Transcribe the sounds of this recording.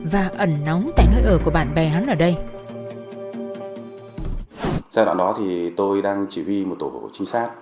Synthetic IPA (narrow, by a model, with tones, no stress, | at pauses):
vaː˨˩ʔə˧˩nna˨˦wŋ͡mt̪a̰ː˧˨jnəː˧jʔəː˧˩ku˧˩əɓa̰ː˧˨nɓa˨˩ɦa˨˦nʔəː˧˩ɗə˧j | saː˧wa̰ː˧˨nɗɔ˨˦t̪ʰi˨˩t̪o˧jɗaː˧ŋt͡ɕi˧˩wi˧mo˨˩t̚t̪o˧˩˧t͡ɕï˨˦saː˦˥t̚